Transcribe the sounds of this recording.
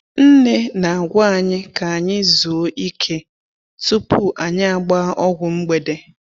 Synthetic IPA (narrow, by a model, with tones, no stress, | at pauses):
n̩˦ne˦na˨ɡʷa˦a˦˨ɲɪ˦ka˨a˨ɲɪ˦zu˨o˦ʔi˦kʰe˦ | tu˦pu˦ʔa˨ɲɪ˦a˨ɡ͡ba˦ʔɔ˦ɡʷʊ˨ŋ͡m̩˦ɡ͡be˨de˦